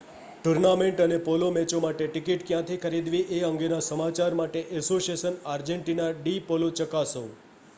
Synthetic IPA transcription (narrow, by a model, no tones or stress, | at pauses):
ʈuɾnameɳʈənepolomɛt͡ʃomaʈeʈɪkiʈkjãt̪ʰikʰəɾid̪ʋiʔeəŋɡenasəmat͡ʃaɾmaʈeʔɛsosiesənaɾd͡ʒeɳʈinaɖipolot͡ʃəkasõ